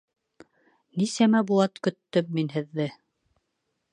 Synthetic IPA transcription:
nisæmæbulˠɑt̪kɵ̆t̪ːɵmːinɦɘ̆ðːɘ

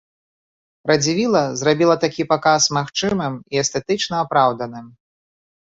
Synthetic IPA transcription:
pɾɐd͡zʲivʲilˠɐzrabʲilˠɐt̪akʲipakasmaxt͡ʂɨmɨmiɛst̪ɛt̪ɨt͡ʂnɐːpɾawd̪ɐnɨm

